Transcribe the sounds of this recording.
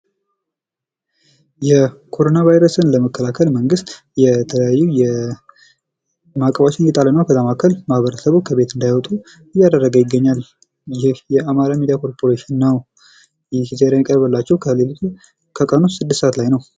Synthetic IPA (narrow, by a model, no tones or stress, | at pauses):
jɛkʰo̞ɾo̞navajɾəsɨnləməkʰːəlakʰəlməŋɡɨst̪ | jɛt̪ʰələjajːujɛ | makʼəβat͡ʃɪnjɛt̪ʼalənːawkʰəzamakʰːəlmahβəɾəsəβukʰəβe̞t̪ɨnd̪ajawɔt̪ʼu | ɨjːad̪ərːəɡəwjɪɡːəɲːal | jɪɪhjɛamaɾamid̪ijakʰo̞ɾpʰo̞ɾeʃɪnːəw | jɪhizeɾjamikʼəɾbəlːat͡ʃːɛwkʰəlelt̪ʰ | kʰəkʼənot̪sɨd̪ːɨsat̪lajnəw